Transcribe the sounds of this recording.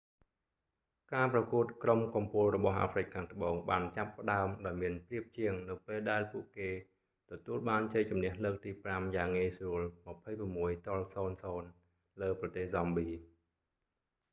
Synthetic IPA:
kaːprɑkuət̪̚kromkumpʊlrɔɓɑhʔa̰ːfrɨc̚kʰaːŋt̪ə̆ɓoːŋɓaːnt͡ɕapːə̆ɗaəmɗaɔjmiənpriəp̚t͡ɕiəŋnɨwpeːlɗaɛlpuəʔkeː | t̪ɔt̪uəlɓaːnt͡ɕəc̚t͡ɕumnɛ̆əhləːk̚t̪iːpramjaːŋiːsruəlmə̆pʰəjpramːuəjt̪ŏəlsoːnsoːn | ləːprɑt̪eːhzɑmɓiː

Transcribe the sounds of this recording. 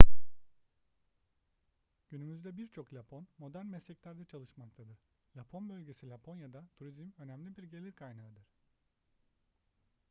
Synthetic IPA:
ɟ̥ynymyzd̪ɛbiɾt͡ʃʰo̞klʲapʰo̞nmo̞d̪æɾnmɛslɛclʲæɾd̪ɛt͡ʃʰalˠɯʃmak̚t̪ʰad̪ɯɾ̥ | lʲapʰo̞nbølʲɟe̞silʲapʰo̞njad̪at̪ʰuɾizmø̞næmlʲibiɾɟe̞lʲiɾkʰajnaɯd̪ɯɾ̥

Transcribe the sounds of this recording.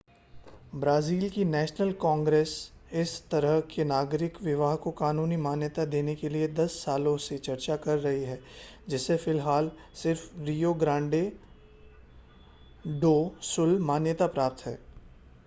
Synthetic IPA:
bɾaːziːlkinɛːʃnəlkɔ̃ːŋɡɾeːsɪst̪ɐɾəɦkʰenaːɡɾɪkʋɪʋaːɦkokaːnuːnimaːnjət̪ad̪eːnekelied̪ɐsːaːlõset͡ʃɐɾt͡ʃakɐɾːɐɦiɦɛːd͡ʒɪsefɪlɦaːl | sɪɾfɾiːjoːɡɾãːɳɖe | ɖoːsʊlmaːnjət̪apɾaːp̚t̪ɦɛ̰ː

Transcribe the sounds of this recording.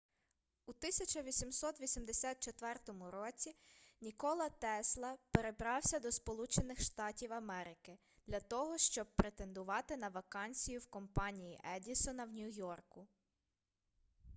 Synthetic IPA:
ut̪ɪsʲɐt͡ʃɐʋʲisʲimsɔt̪ʋʲisʲimd̪esʲɑt̪̚t͡ʃet̪ʋɛrt̪ɔmʊɾɔt͡sʲinʲikɔlˠɐt̪ɛslˠɐpeɾe̞bɾɑwsʲɐd̪ɔspɔlˠut͡ʃenɪxʃt̪ɑtʲiwɐmɛɾɪkɪ | d̪̥lʲɐt̪ɔɦɔʃt͡ʃɔb̚pɾet̪e̞nd̪ʊʋɑt̪ɪn̪ɐʋɐkɑnʲsʲijʊwkɔmpɑnʲijiʔɛdʲisɔnɐwnʲujɔrkʊ

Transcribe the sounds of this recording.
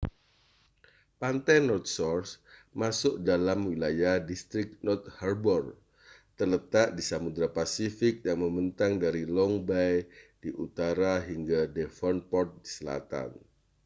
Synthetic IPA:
pant̪ajnɔrt̪̚sɔrsmasʊʔ̚dalamwilajahdist̪ɾɪk̚nɔrt̪̚harbɔr | t̪ərlət̪aʔdisamud̪ɾapasifɪk̚jaŋməmənt̪aŋdaɾilɔŋbajd̥iʔut̪aɾaɦiŋɡadɛfɔnpɔrt̪̚disəla̰t̪a̰n

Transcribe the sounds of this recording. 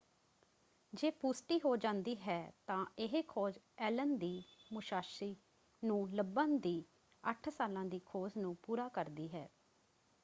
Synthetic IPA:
d͡ʒeːpuːsʈiːɦoːd͡ʒãːnd̪iːɦɛːt̪ãːɪɦeːkʰoːd͡ʒ | ɛːlənd̪iːmʊʃaːʃɾiː | nũːləbənd̪iː | əʈʰsaːlãːd̪iːkʰoːznũːpuːɾaːkəɾd̪iːɦɛː

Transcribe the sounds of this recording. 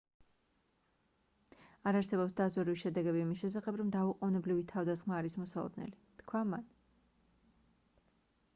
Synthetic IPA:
aɾaɾsɛbɔpsd̪azɛɾiviʃɛd̪ɛɡɛbiːmisʃɛsaχɛbɾɔmd̪auqʼɔnɛblivit̪ʰavd̪asχmaːɾismɔsalˠɔ̰d̪nɛ̰lit̪kʰwaman

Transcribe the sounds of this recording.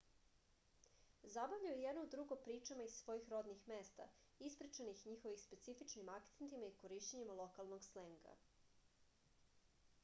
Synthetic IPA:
zabavʎujejɛd̪noud̪ɾuɡopɾiːt͡ʃemaissʋo̞jixɾo̞d̪nixmeːst̪a̰ | ispɾit͡ʃenixɲixo̞ʋixspe̞t̪sifit͡ʃnimake̥t̪ent̪imaikoɾiʃt͡ɕeɲimalˠo̞kalˠnoɡsleŋɡa̰

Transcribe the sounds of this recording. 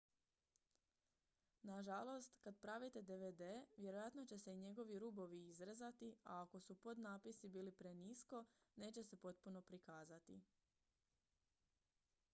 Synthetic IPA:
naʒalˠo̞st̪kad̪̚pɾaʋit̪e̞d̪e̞ʋed̪e̞ʋje̞ɾo̞jat̪no̞t͡ɕe̞se̞iɲe̞ɡo̞ʋiɾuːbo̞ʋiizɾezat̪iaːko̞supo̞d̪naːpisibiːlipɾe̞nisko̞ | ne̞ːt͡ɕe̞se̞po̞t̪̚puno̞pɾikaːzat̪i

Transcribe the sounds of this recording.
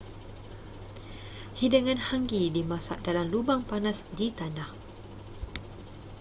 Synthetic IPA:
hidaŋãnhaŋɡidimasa̰ʔdalamlubaŋpanasdit̪anah

